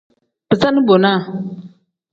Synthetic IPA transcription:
bɨ˨sa˦nɨ˦bo˨na˦˨

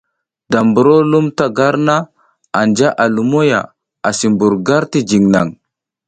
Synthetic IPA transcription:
da˨mbu˨ɾo˦lu˦mta˦ɡa˦ɾna˦ | a˨nd͡ʒa˦ʔa˨lu˨mo˦ja̰˨ | a˨si˨mbu˨ɾɡa˦ɾti˦d͡ʒi˨ŋna̰˨ŋ

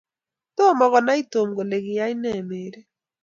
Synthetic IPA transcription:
to˦˨mɔ˨ɣɔ˨na˦i˦to˨mɡo˨le˨kɪ˨ja˦i˦nɛ˦˨me˨ɾe˦

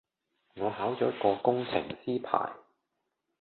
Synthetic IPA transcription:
ŋɔː˨˧ɦaː˨˥wt͡sɔː˨˥kɔː˧kʊ˥ŋt͡sʰɪ̰˨˩ŋsiː˥pʰa̰ː˨˩j

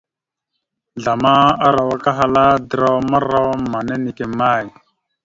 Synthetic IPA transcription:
ɮa˨ma˦a˦ɾa˨wa˨˦ka˦ɦa˦la˦d̪ɾa˦wma˦ɾa˦wa˦ma˨ne˦ni˨ke˨ma˦˨j

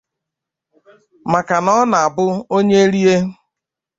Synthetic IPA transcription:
ma˨ka˨nɔ˦na˨a˨bʊ˦o˦ɲe˦e˦ɾi˦e˦

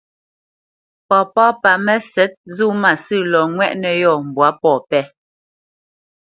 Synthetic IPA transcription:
pɔ˨pɔː˦pa˨mɛ˦sɛ˦t̚zu˦˨ma˨sɨ˦˨lɔ˨ŋwɛ˦ʔnɛ˨jɔ˦˨m̩˨bwa˨˦pɔ˨pɛ˦

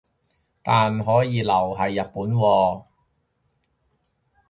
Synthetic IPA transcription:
t̪aː˨nɦɔː˨˥jiː˨˧lɐ˨˩wɦɐ˨jːɐ˨t̚puː˨˥nwɔː˧

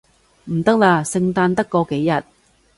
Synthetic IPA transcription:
m̩˨˩t̪ɐ˥k̚laː˧sɪ˧ŋt̪aː˧nt̪ɐ˥kːɔː˧ke˨˥jjɐ˨˩t̚

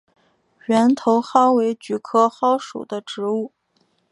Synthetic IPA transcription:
ɥɛ˧˥nt̪ʰo˧˥ʊxɑ˥ʊwe˧˥ɪt͡ɕy˧˥kʰɤ˥xɑ˥ʊʂṵ˨˩d̪ə˦ʈ͡ʂɻ̩˧˥u˥˩

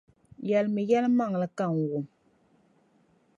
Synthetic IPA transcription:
jɛ˨lmɨ˨jɛ˦lma˦ŋ˨lɨ˨ka˦˨ŋ˨wʊ˨m

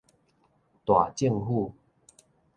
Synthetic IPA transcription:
t̪wa˨˩t͡ɕi˥˧˨ŋɦu˥˧˨

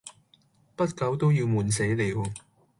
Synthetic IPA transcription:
pɐ˥t̚kɐ˨˥wt̪o˥wjiː˧wmuː˨˩nse˨˥jli˨˥w

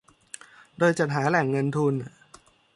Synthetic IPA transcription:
doː˧jt͡ɕa˨˩t̪̚ɦaː˩˦lɛ˨˩ŋːɤ˧nt̪ʰu˧n˨˩

